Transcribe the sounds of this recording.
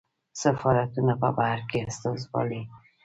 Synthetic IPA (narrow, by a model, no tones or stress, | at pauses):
safɑɾat̪unapə̰bahaɾkeast̪azbɑ̰li